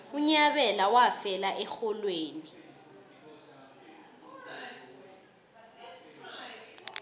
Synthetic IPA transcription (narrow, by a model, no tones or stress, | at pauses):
uɲaɓɛlawafɛlaʔɛxɔlweːni